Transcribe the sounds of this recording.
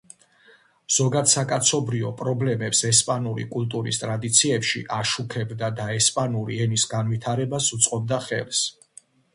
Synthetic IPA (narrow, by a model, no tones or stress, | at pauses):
z̥ɔɡad̪sakʼat̪sʰɔbɾiɔpʼɾɔblɛmɛpsɛspʼanuɾḭkʼult̪ʼuɾḭst̪ʼɾad̪it̪sʰiɛpʃḭʔaʃukʰɛbd̪ad̪aɛspʼanuɾiɛnisɡanvit̪ʰaɾɛbasut̪sʼqʼɔb̚d̪aχɛ̰ls